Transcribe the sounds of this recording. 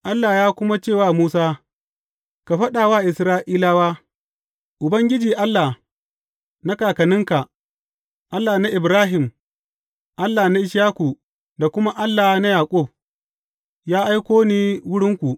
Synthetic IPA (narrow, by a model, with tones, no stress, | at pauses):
ʔa˦lːaː˨jaː˦kʷʊ˦ma˦t͡ʃeː˦˨waː˦˨muː˦saː˦ | ka˨ɸɐ˦ɗa˨waː˦˨ʔɪ˨sɾaː˦ʔiː˦laː˦waː˦ | ʔʊ˨bɐ˦ŋɡʲɪ˦d͡ʒiː˨ʔa˦lːa˨ | na˦kaː˨kɐ˨nɪ˦ŋka˨ | ʔa˦lːaː˨na˦ʔɪ˨bɾaː˦ɦɪ˨m | ʔa˦lːaː˨na˦ʔɪ˦ʃaː˦ku˨ | da˨kʷʊ˦ma˦ʔa˦lːaː˨na˦jaː˨kʷʼɔ˦˨b̚ | jaː˦ʔa˦jkʷoː˦niː˦wʊ˦ɽɪ˦ŋkʷu˨